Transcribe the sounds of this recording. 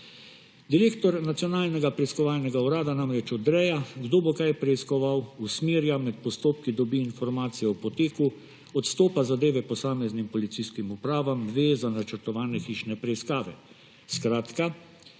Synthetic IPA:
d̪iɾeːkt̪ɔɾnat̪sjɔnaːlnɛɡapɾɛiskɔʋaːlnɛɡauɾaːd̪anamɾɛt͡ʃɔd̪ɾɛjaɡd̪oːbokajpɾɛiskɔʋawusmeːɾjamɛt̪̚pɔst̪oːp̚kid̪ɔbiːnfɔɾmaːt̪sijɛɔpɔt̪eːku | ɔt̪st̪oːpazad̪eːʋɛpɔsaːmɛznimpɔlit̪siskimupɾaːʋamd̪ʋeːzanat͡ʃəɾt̪ɔʋaːnɛxiːʃnɛpɾɛiskaːʋɛ | skɾaːt̪ka

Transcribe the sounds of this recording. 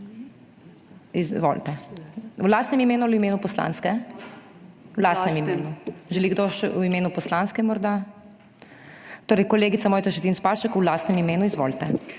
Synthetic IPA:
izʋo̰lt̪ɛwlaːst̪nɛmimeːnuimeːnupɔsla̰ːnskɛ | wlaːst̪nɛmimeːnuʒɛliɡd̪oːʃwimeːnupɔslanskɛmɔɾd̪a | t̪oːɾɛjkɔleːɡit̪samoːjt̪saʃɛt̪iːnspaʃɛkwlast̪nɛmimeːnuizʋo̰ːlt̪ɛ

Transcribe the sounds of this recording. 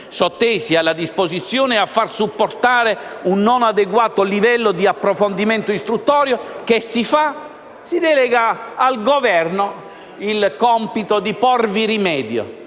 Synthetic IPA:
sɔt̪ːeːsialːad̪ispozit̪sːjoːneafːarsupːort̪aːɾeunːonad̪eɡwaːt̪olivɛlːod̪iapːɾofond̪imɛnt̪oist̪ɾut̪ːɔːɾjokesːifa | sid̪ɛlɛɡaːlɡovɛrno | ilkɔmpit̪od̪ipɔrviɾimɛːd̪jo̰

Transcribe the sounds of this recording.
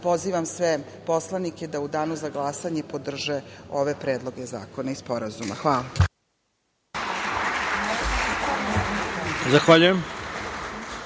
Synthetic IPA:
po̞ziʋamsʋe | po̞slˠanike̞d̪aud̪aːnuzaɡlˠaːsaɲe̞po̞d̪r̩ʒeo̞ʋe̞pɾeːd̪lˠo̞ɡe̞za̰ːko̞naispo̞ɾazumaxʋaːla | zaxʋaʎujem

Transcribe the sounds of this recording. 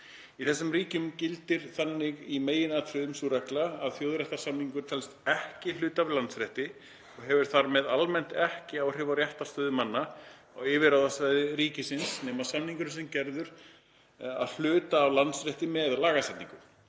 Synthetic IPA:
iθɛsːʏmɾiːcʏmcɪlt̪ɪɾ̥θanːɪɣimeːjɪnaːt̪ʰɾʏːðʏmsuɾaklaːðθjoːwðɾɛht̪ḁsamniŋkʏɾ̥t̪ʰɛlst̪ɛhcɪlʏːt̪avlant̪sɾɛht̪ɪ | ɔɣɦɛvʏɾ̥θaɾmɛðalmɛn̥t̪ɛhcɪawr̥ɪːvaɾjɛht̪ḁst̪œːðʏmanːa | ɔɣɪːvɪɾawðasvajðɪɾiːcɪsɪnsneːmasamniŋkʏɾsɛmcɛɾðʏɾ̥ | a̰ðl̥ʏːt̪aːvlant̪sɾɛht̪ɪmɛðlaːɣasɛjt̪niŋkʏm

